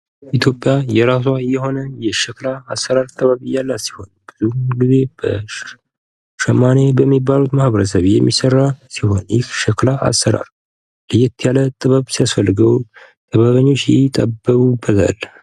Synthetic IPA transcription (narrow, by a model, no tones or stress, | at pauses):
ʔit̪ʰjo̞pʼjajɛɾaswajɛho̞nəjɛʃɛklaːsːəɾaɾt̪ʼəβəβɨjːalːasi̥ho̞̰nb̥ɨzuɡɨze̞b̥ə | ʃəmːane̞bəmːibːalut̪mahβəɾəsəβjɛmːisərːasiho̞̰njɪhʃəklaʔa̰sːəɾa̰ɾ | lɨjɛt̪ʰːjalət̪ʼɨβəβsijasfəlːɨɡəw | t̪ʼʰəβaβəɲːo̞t͡ʃːjɪt̪ʼəbːəkubət̪ʰa̰l